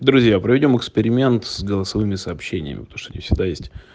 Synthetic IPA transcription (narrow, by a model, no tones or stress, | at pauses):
d̪ɾʊzʲjapɾəvʲɪdʲo̞mɨkspʲɪɾʲɪmʲe̞nt̪sɡəlˠəsɐvɨmʲɪsəːpɕːenʲɪjə̰mʲɪ̰pət̪ouʂt̪ːnʲḭfsʲɪɡ̚d̪ajesʲtʲ